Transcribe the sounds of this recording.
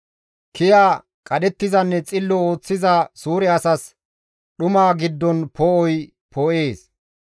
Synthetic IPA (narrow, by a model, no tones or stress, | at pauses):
kɪjaː | kʼɐɗɛt̪ːɪzɐnːɛt͡sʼɪlːɔo̞ːt͡sːɪzasuːɾɛɐsɐs | ɗʊmaːɡɪd̪ːɔnpɔʔɔj | pʰɔʔe̞ːs